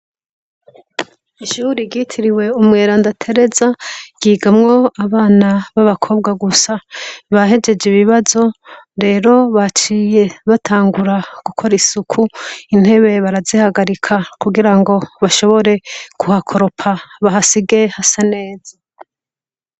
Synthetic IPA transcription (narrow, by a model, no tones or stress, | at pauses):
iʃuɾiɟitʰiɾiwe̞umŋe̞ːɾandatʰe̞ɾe̞zaɟiːɡamŋo̞aβaːnaβaβakʰo̞ːb̚ɡaɡusaβaɦe̞d͡ʒe̞d͡ʒiβiβazo̞ɾe̞ːɾo̞βat͡ʃiːje̞βatʰaːŋɡuɾaɡ̥ukʰo̞ɾisukʰuin̥he̞βe̞βaɾazihaɡaɾikʰakuɡiɾaŋɡo̞βaʃo̞βo̞ɾe̞kuhakʰo̞ɾo̞pʰaβaɦasiɡe̞hasane̞ːza